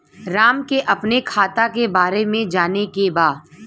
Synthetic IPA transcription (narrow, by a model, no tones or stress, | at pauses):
ɾaːmkeʔɐpnekʰaːt̪akebaːɾemẽd͡ʒaːnekebaːd̪